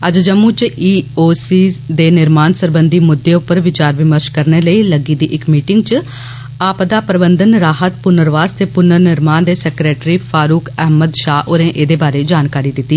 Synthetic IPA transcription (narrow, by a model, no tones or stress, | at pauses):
əd͡ʒd͡ʒəmũːt͡ʃʔiːoːsiːd̪eːnɪɾmaːnsəɾbənd̪iːmʊd̪ːeːʊpːəɾʋɪt͡ʃaːɾʋɪməɾʃkəɾneːləiːləɡiːd̪iːʔɪkmiːʈɪŋɡ̚t͡ʃə | aːpd̪aːpɾəbənd̪ənɾaːɦət̪̚pʊnəɾʋaːst̪eːpʊnəɾnɪɾmaːnd̪eːsɛkɾeːʈɾiːpʰaːɾuːkɛɦməd̪ʃaːʔʊɾẽːʔeːd̪eːbaːɾeːd͡ʒaːnkaːɾiːd̪ɪt̪ːiː